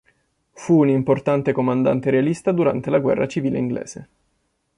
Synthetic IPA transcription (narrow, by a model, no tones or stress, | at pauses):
fuːnimport̪ant̪ekomand̪a̰nt̪eɾealist̪ad̪uɾa̰nt̪elaɡwɛ̰rːʔa̰t͡ʃiviːlḛiŋɡlḛːz̥e